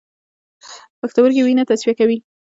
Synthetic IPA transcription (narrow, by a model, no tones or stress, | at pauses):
paxt̪awəɾkewinat̪aswijakawi